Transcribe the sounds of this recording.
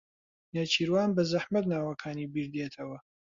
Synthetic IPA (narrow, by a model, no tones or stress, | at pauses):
naːt͡ʃʰiːɾwaːnbɐzaħmɐt̪naːwɐkʰaːniːbiːɾd̪eːt̪ʰɐwɐ